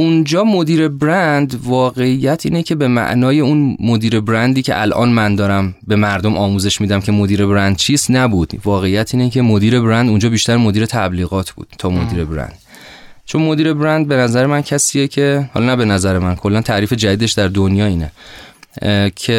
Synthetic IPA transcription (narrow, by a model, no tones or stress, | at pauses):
und͡ʒɒːmod̪iːɾe̞bɾænd̪vɒːɣe̞ijːæt̪ʰḭːnecʰe̞be̞mæ̰ʔnɒːje̞unmod̪iːɾe̞bɾænd̪iːcʰe̞ʔælʔɒ̰ːnmænd̪ɒːɾæmbe̞mæɾd̪o̞mʔɒːmuːze̞ʃmiːd̪æmcʰe̞mo̞d̪iːɾe̞bɾænd̪̥̚t͡ʃʰiːst̪næbuːd̪̥vɒːɣe̞ijæt̪ʰiːnecʰe̞mo̞d̪iːɾe̞bɾænd̪und͡ʒɒːbiːʃt̪æɾmo̞d̪iːɾe̞t̪ʰæbliːɣɒːt̪ʰbṵːd̪̥t̪ʰɒːmo̞d̪iːɾe̞bɾæ̰nd̪̥ | t͡ʃʰo̞nmo̞d̪iːɾe̞bɾænd̪̚be̞næzæɾemæncʰæsiːjecʰe̞hɒ̰lɒnæbe̞næzæɾemænkʰo̞lːænt̪ʰæɾiːfe̞d͡ʒæd̪iːd̪e̞ʃd̪æɾd̪onjɒːiːne | cʰe